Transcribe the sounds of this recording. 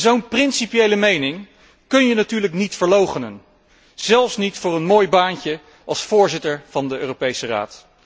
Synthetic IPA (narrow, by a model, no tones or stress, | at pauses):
zownprɪnsipjejləmejnɪŋ | kɵnjənatyːɹləknitfəɹlowχənən | z̥ɛlˠfsnitfʊːrənmoːjbaːncə | ʔɑlˠsfʊːɹzɪtəɹv̥ɑndəø̰ːrowpejsəra̰ːt